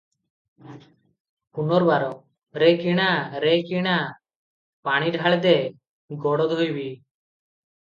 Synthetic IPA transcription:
punɔɾbaɾɔ | ɾɛkiɽ̃aɾɛkiɽ̃a | paɽ̃iɖʱaɭɛd̪ɛ | ɡɔɽɔd̪ʱojbi

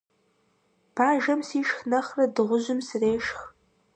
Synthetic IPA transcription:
pʰaːʒɐmsiːʃxnɐχrɐdɨʁʷʊʑɪmsɨreːʃx

